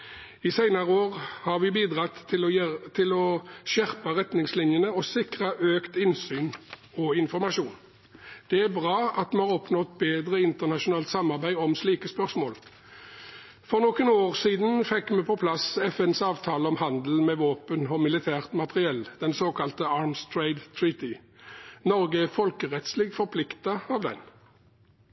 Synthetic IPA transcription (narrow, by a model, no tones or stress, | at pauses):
ɪsæɪnɑʁəoːʁhɑʁʋɪbiːd̪ʁɑt̪ɪlʰːɪlɔʃæʁpəʁɛt̪nɪŋslɪnjənəɔsɪkʁəʔøːkt̪ɪnsyːnɔɪnfɔʁmɑʃuːn | d̪̥ɛæbʁɑːɑt̪mɛhɑːʁɔpnɔt̪beːd̪ʁəɪnt̪əʁnɑʃʊnɑːlt̪sɑmɑʁbæɪɔmsliːkəspœʁsmoːl | fɔʁnɔkənoːʁsiːd̪n̩fɛkːmɛpʰɔpʰlɑsɛfɛnsɑːʋt̪ʰɑːləɔmhɑnd̪l̩mɛʋoːpənɔmɪlɪt̪ʰæːʁt̪mɑt̪ʁɪɛld̪̥ɛnsoːkʰɑlt̪əɑːɾmst̪ʰɹeɪd̪t̪ʰɹiːt̪ɪ | nɔʁɡəæfɔlkəʁɛt̪sliɡfɔʁpʰlɪkt̪ɑɑʋd̪ɛ̰n